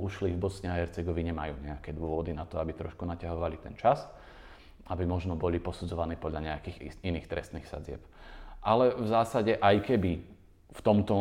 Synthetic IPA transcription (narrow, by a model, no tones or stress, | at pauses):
uʃlivbɔsɲɛaɦɛɾt͡sɛɡɔʋiɲɛmajṵːɲɛakɛːd̪ʊɔʋɔd̪inat̪ɔabit̪ɾɔʃkunacaɦɔʋalit̪ɛ̰nt͡ʃas | abimɔʒnɔbɔlipɔsud͡zɔʋaniːpɔd̪ʎaɲɛakiːxiniːxt̪ɾɛ̰st̪niːxsa̰d͡zɪɛ̰pʔalɛvzaːsaɟɛʔajkɛbi | ft̪ɔmt̪ɔ